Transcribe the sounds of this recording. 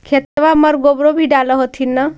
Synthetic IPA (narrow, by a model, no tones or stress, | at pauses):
kʰet̪ʋaməɾɡobɾobʱiɖaləɦot̪ʰinːə